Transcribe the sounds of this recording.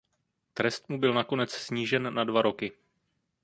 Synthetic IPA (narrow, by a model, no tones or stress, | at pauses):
t̪ɾɛst̪mubɪlnako̞nɛt͡ssɲiːʒɛnːadvaɾo̞kɪ